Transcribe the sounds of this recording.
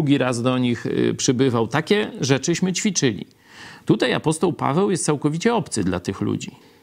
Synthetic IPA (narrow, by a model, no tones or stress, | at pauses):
uɡʲiɾazd̪ɔɲixpʂɘbɘvawt̪akʲɛʐɛt͡ʂɘɕmɘt͡ɕfʲit͡ʂɘlʲḭ | t̪ut̪aja̰pɔst̪ɔwpa̰vɛwjɛst̪sawkɔvʲit͡ɕɛɔpt̪sɘd̪la̰t̪ɘxlṵd͡ʑi